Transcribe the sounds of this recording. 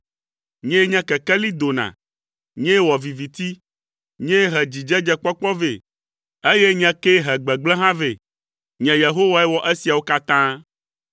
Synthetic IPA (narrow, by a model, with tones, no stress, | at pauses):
ɲɛ̃˦ɲɛ̃˦kɛ˨kɛ˦li˦d̪o˨nã̰˨ | ɲɛ̃˦wɔ˨vi˨vi˨t̪i˦ | ɲɛ̃˦ɦɛ˨d͡ʑi˨d͡ʒɛ˦d͡ʒɛ˦k͡pɔ˦k͡pɔ˦ve˨ | e˦je˦ɲɛ̃˦ke˦ɦɛ˨ɡ͡bɛ˨ɡ͡blɛ˦ɦã˦ve˨ | ɲɛ̃˨je˨ɦo˦wa˦ɛ˦wɔ˨ʔe˦si˨a˨wo˦ka˦t̪ã˦